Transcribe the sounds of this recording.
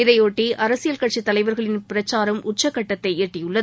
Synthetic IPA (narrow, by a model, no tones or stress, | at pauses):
ɪɾɐjoːʈːiʔɐɾɐsɪjɐlkɐʈ̚t͡ʃit̪ːɐlɐɪʋɐɾɣɐɭɪnpɪɾɐt͡ʃːaːɾɐmʊt͡ʃːɐkːɐʈːɐt̪ːɐɪeːʈrɪjʊɭːɐð